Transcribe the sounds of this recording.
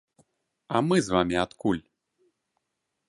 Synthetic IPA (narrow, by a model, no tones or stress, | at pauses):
ɐmɨzvamʲiat̪kulʲ